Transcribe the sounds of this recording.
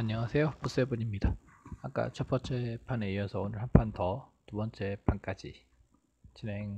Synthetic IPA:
aɲʌŋasʰe̞jopus͈ebuɲimɲidaa̰k͈a̰t͡ɕʰʌp͈ʌnt͡ɕ͈ʰe̞pʰane̞iʌsʰʌonɯɭɦanpʰantʌtubʌnt͡ɕ͈e̞pʰank͈ad͡ʑi | t͡ɕine̞ŋ

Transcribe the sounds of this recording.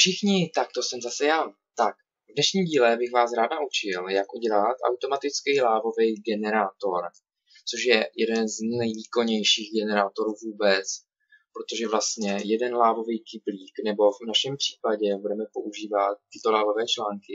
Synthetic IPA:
fʃɪxɲɪt̪ak̚t̪o̞sɛmzasɛjaː | t̪ak̚ | vdnɛʃɲiːmɟiːlɛbɪxvaːsɾaːd̪naʔut͡ʃɪljakʔuɟɛlat̪ʔa̰wt̪o̞mat̪ɪt͡skɛjlaːvo̞vɛjɡɛnɛɾaːt̪o̞ɾ | t͡soʃjɛjɛdɛnznɛjviːko̞ɲɛjʃiːɣɡɛnɛɾaːt̪o̞ɾuːvuːbɛt͡s | pɾo̞t̪oʒɛvlast̪ɲɛjɛdɛnlaːvo̞vejkɪbliːknɛbo̞vnaʃɛmpr̥iːpaɟɛbudɛmɛpo̞ʔuʒiːvat̪̚ːɪt̪o̞laːvo̞vɛːt͡ʃlaːŋkɪ

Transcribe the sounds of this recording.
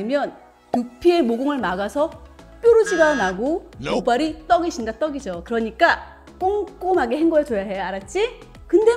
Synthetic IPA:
imjʌn | tupʰie̞moɡoŋɯɭmaɡasʰʌ | p͈joɾud͡ʑʰiɡanaɡomobaɾit͈ʌɡiɕʰinɡat͈ʌɡid͡ʑokɯɾʌɲik͈a | k͈oŋk͈omaɡeheŋɡʌɯt͡ɕojaɦejaɾat̚t͡ɕ͈i | kɯnde

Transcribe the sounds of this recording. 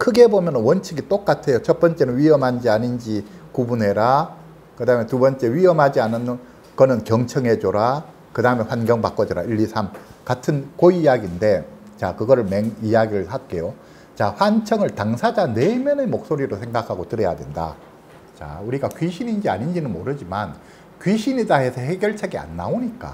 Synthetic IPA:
kʰɯɡe̞bomjʌnɯnwʌnt͡ɕʰiɡit͈ok͈atʰe̞jot͡ɕʰʌp͈ʌnt͡ɕ͈e̞nɯnɥiʌmɦand͡ʑiaɲind͡ʑikubune̞ɾa | kɯdaɯmetubʌnt͡ɕ͈e̞wɥiʌmɦad͡ʑianɯnːɯn | kʌnɯnkjʌŋt͡ɕʰʌŋɦe̞d͡ʑoɾa | kɯdaɯme̞ɸwanɡjʌŋbak͈ʌd͡ʑʌɾa̰iʎːisʰamkatʰɯnkoijaɡinde̞ | t͡ɕakɯɡʌɾɯɭme̞ŋijaɡiɾɯɭsʰat̚k͈e̞jo | t͡ɕaɸwant͡ɕʰʌŋɯɭtaŋsʰad͡ʑane̞mjʌnemok̚s͈oɾiɾosʰe̞ŋɡakʰaɡotɯɾʌja̰de̞nda̰ | t͡ɕa̰uɾiɡakɥiɕʰinind͡ʑiaɲind͡ʑinɯnmoɾɯd͡ʑiman | kɥiɕʰinid͡ʑaɦe̞sʰʌheɡjʌɭt͡ɕʰeɡia̰nːa̰oɲik͈a̰

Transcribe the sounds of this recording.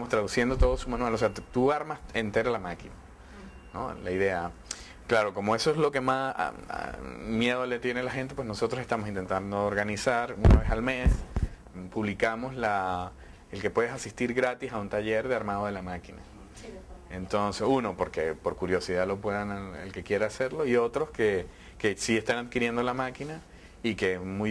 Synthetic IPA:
tt̪amost̪ɾaðusje̞nd̪o̞t̪o̞ðosumanwanose̞at̪uaɾmasent̪e̞ɾalamakina | no̰laiðe̞a | klaɾo̞ko̞mo̞e̞soeslo̞ke̞mas | mje̞ð̞olet̪je̞nelaxe̞nt̪e̞pwesno̞so̞t̪ɾse̞st̪amosint̪e̞nt̪and̪oːɾɣanisaɾuna̰βe̞salme̞s | puβlikamo̞sla | elke̞pwe̞ðesasist̪iɾɣɾat̪isaunt̪aʝe̞ɾðeaɾmaðo̞ð̞elamakina̰ | ent̪o̞nse̞suno̞po̞ɾke̞̰po̞ɾkuɾjo̞siðalo̞pweðanaḛlke̞kje̞ɾaːse̞ɾlo̞iot̪ɾo̞ske̞ | ke̞sie̞st̪anaðkiɾje̞nd̪o̞lamakina | ike̞mu

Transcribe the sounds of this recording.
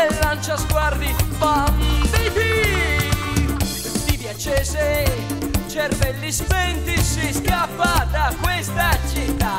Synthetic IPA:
elːant͡ʃazɡward̪ibamd̪id̪i | d̪ipjat͡ʃɛse | t͡ʃɛɾvɛlːispɛnt̪isiskapːat̪akːwest̪at͡ʃit̪ːa

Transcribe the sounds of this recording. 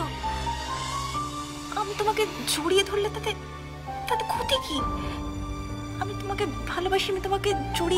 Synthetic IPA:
amit̪omaked͡ʒoɽijed̪ʱoɾlet̪at̪e | t̪at̪ekʰut̪iki | amit̪omakebʱɐlobʱaʃiamit̪omaked͡ʒoɽi

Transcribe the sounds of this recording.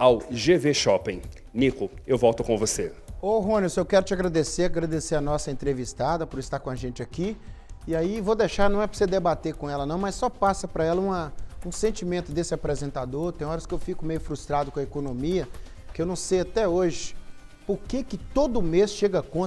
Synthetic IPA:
awʒeveʃɔpẽj̃ | nikʊewvɔwt̪ʊkõvose | oɦõnɪsewkɛɾʊt͡ʃɪaɡɾad̪eseɾaɡɾad̪eseɾɐnɔsɐẽnt̪ɾevist̪ad̪ɐpʊɾɪst̪aɾkõaʒẽnt͡ʃɪakiiaivod̪eʃaɾnɐ̃w̃ɛpɾosed̪ebat̪eɾkõɛlɐnɐ̃w̃mɐsːɔpasɐpɾɐɛlɐũmɐũsẽnt͡ʃimẽnt̪ʊd̪esɪapɾezẽnt̪ad̪oɾt̪ẽj̃ɔɾɐskɪewfikʊmejʊfɾust̪ɾad̪ʊkõɐekonõmiɐ | kɪewnɐ̃w̃sejat̪ɛoʒɪ | poɾkekɪt̪od̪ʊmesʃeɡɐkõ

